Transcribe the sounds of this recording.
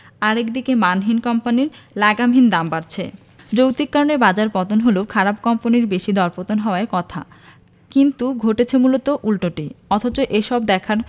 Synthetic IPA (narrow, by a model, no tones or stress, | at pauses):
aɾekd̪ikemanɦinkɔmpaniɾlaɡamɦind̪ambaɾt͡ɕʰe | d͡ʑowt̪ikkːaɾonebad͡ʑaɾpɔt̪onɦoleokʰaɾab̚kɔmponiɾbeʃid̪ɔɾpot̪onɦɔoaeɾkɔt̪ʰa̰ | kint̪uɡʱoʈet͡ɕʰemulot̪oʔulʈoʈiɔt̪ʰot͡ɕoʔeʃɔbd̪ɛkʰaɾ